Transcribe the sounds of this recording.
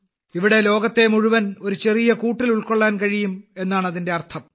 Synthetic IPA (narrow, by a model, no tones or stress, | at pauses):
iʋiɽe̞lo̞ːɡɐt̪ːe̞muɻuʋɐno̞ɾut͡ɕe̞rijɐkuːʈːiluɭkoɭːaːnkɐɻijume̞nːaːɳɐðinde̞ɐrt̪ʰɐm